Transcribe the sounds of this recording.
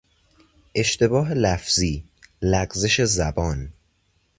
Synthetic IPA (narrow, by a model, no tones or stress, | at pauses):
ʔe̞ʃt̪e̞bɒːɦelæfziː | læɡzeʃe̞zæbɒːn